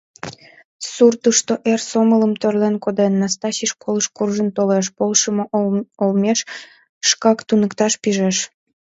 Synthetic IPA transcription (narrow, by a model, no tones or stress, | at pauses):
surt̪əʃt̪oʔersomələmt̪ørlenkod̪enːɑst̪ɑɕiʃkʰoləʃkurʒənt̪oleʃ̬polʃəmoolmeʃː | kɑkt̪unəkt̪ɑʃpiʒeʃ